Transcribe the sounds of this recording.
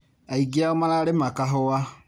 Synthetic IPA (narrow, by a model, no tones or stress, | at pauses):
aiɡiaomalaɾemakaɦʊwa